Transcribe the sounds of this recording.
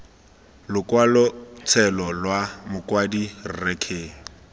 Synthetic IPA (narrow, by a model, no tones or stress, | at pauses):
lʊkwalɔt͡sʰɛlɔlwamʊkʼwadirrɛkʰeːŋ̩